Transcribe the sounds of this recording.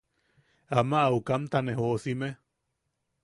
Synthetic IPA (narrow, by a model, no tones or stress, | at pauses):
amaʔːukamt̪aneɦoʔsime